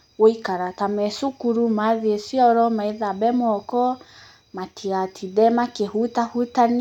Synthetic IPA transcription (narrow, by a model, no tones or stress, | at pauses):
woikaɾatamɛsukuɾumaðiesiɔɾɔmaeðabɛmɔkɔ | matʰiɣatʰidɛmakehutahutan